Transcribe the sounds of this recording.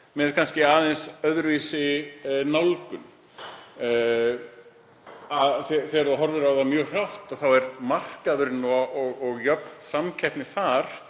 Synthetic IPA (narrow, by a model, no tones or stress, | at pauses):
mɛðkʰanscɪaːðɪnsœðɾviːsɪnalkʏm | aθɛθɛɾðaɦɔɾvɪɾaðamjœːɣr̥awht̪aðθawɛɾmar̥kaðʏɾɪnːuaʔɔɣɔɣjœpnsamcʰɛhpnɪθaɾ̥